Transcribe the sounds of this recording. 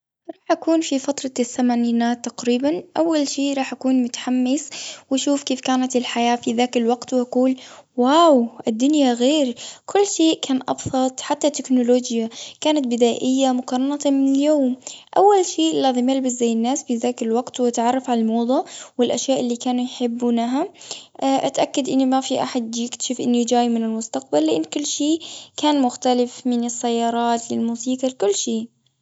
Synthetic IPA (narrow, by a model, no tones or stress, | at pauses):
ɾˤɑːħʔakuːnfifɑt̪ɾˤɑθːamaniːnaːt̪ːaqɾiːbanʔawːalʃeːʔɾˤɑːħʔakuːnmʊt̪ḁħamːɪswaʃuːfkeːfkaːnat̪ɪlħajaːfiðaːkɪlwaɡt̪wʔaquːlwaːwʔɪd̪ːʊnjaɣeːɾkʰʊlːʃeːʔkʰaːnʔɑ̰bsˤɑt̪ˤħat̪ːat̪ːɪknʊloːd͡ʒjakaːnat̪̚bɪd̪aːʔɪjːamʊqɑɾˤɑnat̪mɪnɪljoːmʔawːalʃeːʔlːɑðˤɪmalbɪs̬zajːɪnːaːsfiðaːkɪllwaɡt̪wʔat̪ʕɑrˤːɑfʕalalmoːd̪ˤɑwɪlʔaʃjaːʔɪlːikaːnujħɪbːunaɦaʔʔat̪ʔakːad̪ʔɪnːimafiʔaħad̪̚d͡ʒɪkt̪ʃɪfʔɪnːid͡ʒaːjmɪnɪlmʊst̪aq̚balːɪʔɪnːkʊlːʃiːʔkaːnmʊxt̪alɪfmɪnɪsːajːɑːɾˤɑːt̪lɪlmuːsiːqalkʊlːʃeːʔ